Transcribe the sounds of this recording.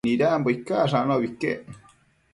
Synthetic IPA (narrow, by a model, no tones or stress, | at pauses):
niɾamboikaʂanõβike